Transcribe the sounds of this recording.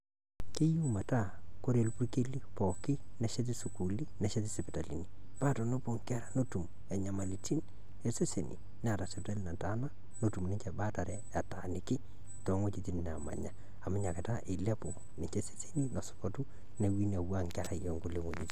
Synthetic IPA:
ki˦ju˦ma˨ta˦ko˦ɾe˨lpu˦rke˦li˦pɔ˨ki˦nɛ˨ʃe˦t̬i˦su˨ku˨li˦nɛ˨ʃe˦t̬i˦sɛ˨pta˨lḭ˨ni˨ | pa˦tɔ˨no˦po˨ŋka˦ɾa˨no˦tu˨m | ɛ˨ɲa˨ma˨li˨ti˦n | e˨se˦sḛ˨nḭ˨ | nɛ˦a˨ta˨sɛ˨p̚ta˦li˨na˨ta˨na˦ | no˦tu˨mnɪ˦ɲt͡ʃɛ˨ba˦ta˨ɾɛ˦a˨ta˨ni˨kɪ˦ | tɔ˨˦ŋwo˦t͡ʃi˦ti˦nn˨a˨ma̰˨ɲa˨ | a˨mɪ˦ɲa˨ke˨ta˦ʔe˨la˦po˨ | nɪ˨ɲt͡ʃe˦se̥˦se˦ni˦nɔ˨sɔ̥˨pɔ˦tu˦ | ne˨wi˦na˨wa˦ŋkaɾa˨jɔ˨ŋɡo˦le˨ŋo˨t͡ʃi˨ti˦

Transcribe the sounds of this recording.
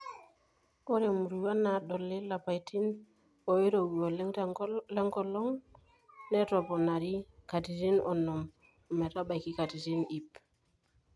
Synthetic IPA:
ko˦ɾe˨mu˨ɾu˨wa˦na˨do˨lːi˦la˨pa˨jti˦n | o˨i˦ɾo˨ɡo˨l | le˦ŋko˦lo˦ŋ | ne˦to˨po˨na˨ɾi˦ka˨ti˨ti˦no˨nːo˨m | u˨me˨ta˦ɓa˨jki˦ka˨ti˨ti˦ni˨p

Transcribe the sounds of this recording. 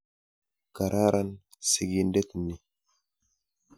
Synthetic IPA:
ka˨ɾʔa˦ɾʔa˦n | si˨ɡi˦nde˦t̪nːi˨

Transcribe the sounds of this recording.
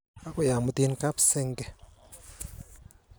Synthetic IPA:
a˦kʊ˦ja˨mu˨ti˦nka˦psɛ˦ŋɡɛ˨

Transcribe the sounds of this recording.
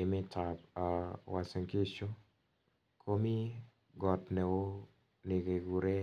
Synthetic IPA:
ɪ˨mɪ˦tʰa˨pa˨wa˨se˨ŋki˦t͡ʃo˦ | kʰo˦mi˦ | ɡɔ˨tnɛ˨wo˦ | ni˨ɡe˨ɡu˨ɾe˦

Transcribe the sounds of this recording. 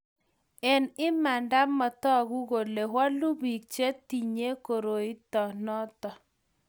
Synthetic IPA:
ɛ˨nɪ˦ma˨nda˦mɔ˨t̪ɔ˦ɣu˦ɣo˨le˨ɦwa˦lu˦bi˨k̚t͡ʃe˦ti˨ɲe˦ko˨ɾo˨i˦tɔ˨nɔ˦tɔ˨

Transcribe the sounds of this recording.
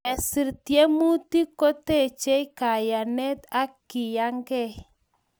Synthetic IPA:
ɛ˨si˨ɾt̪i˨e˦mu˦t̪i˦ko˦t̪e˦˨t͡ʃe˦i˦ka˨ja˨nɛ˦t̪a˦kːi˨ja˦ŋɡɛ˦˨

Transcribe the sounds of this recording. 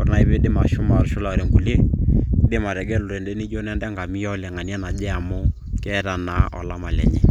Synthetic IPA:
kʊ˨ɾna˨˦ɪ˦be˦dɪ˦ma˨ʃʊ˦ma˨ɾʃʊ˦la˨ɔ˨ɾe˨ŋɡu˨le˦dɪ˦ma˨ɾɛ˨ɡɛ˦lʊ˨ɾɛ˨ndɛ˦nɪ˦d͡ʒo˦nɛ˦ndɛ˦ŋɡa˨mi˦jɔ˦lɛ˨ŋa˨ni˦ɛ˦na˨d͡ʒɛ˦a˨mʊ˦ | kɛ˦ta˨na˨˦ʔɔ̰˨la˦ma˨lɛ̰˨ɲɛ˦˨

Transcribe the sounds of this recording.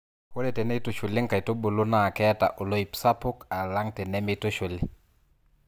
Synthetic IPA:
ko˦ɾɛ˨tɛ˨ne˦i˦to˦ʃu˨lɪ˦ŋka˨i˨to˦bo˨lo˦na˨kɛ˦ta̰˨ʔo˨lo˦i˨psa˦pʊ˦ka˨la˦ŋtɛ˨nɛ˦mi˦to˦ʃu˨li˨

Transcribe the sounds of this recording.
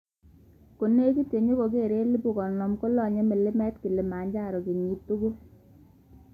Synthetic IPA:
ko˨ne˦ki˦tje˨ɲo˦ko˨ke˦˨ɾe˦li˦bu˨kɔ˨nɔ˨mko˦lɔ˦˨ɲe˦me˨le˦mɛ˦tki˨le˨ma˨ɲd͡ʒa˦˨ɾɔ˨ki˨ɲi˦tːo˦ɡo˦

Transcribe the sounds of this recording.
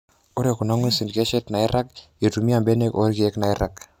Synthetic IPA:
o˦ɾe˨ku˨na˦ŋwe˦si˨nke˦t͡ʃɛ˦tna˨i˦ɾa˦ke˨tu˨mi˦a˨mbe˦ne˦ko˦ɾki˨e˦kna˨i˦ɾa˨k

